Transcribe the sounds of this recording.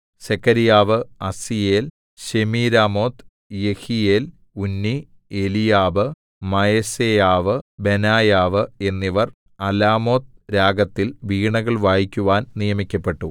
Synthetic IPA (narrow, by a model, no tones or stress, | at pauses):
sekʰːɐɾijaːʋɨɐsijeːl | ɕemiːɾaːmo̞ːt̪ | jehije̞ːl | unːi | elijaːʋɨ | mɐjesejaːʋɨbe̞naːjaːʋɨe̞nːiʋɐr | ɐlaːmo̞ːt̪̚ɾaːɡɐt̪ːilʋiːɳɐɣɐɭʋaːjikʲːuʋaːnnijɐmikʲːɐpːe̞ʈːu